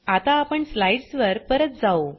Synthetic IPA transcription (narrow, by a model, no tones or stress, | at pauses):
at̪aːpəɳslajɖsʋəɾpəɾət̪̚d͡zao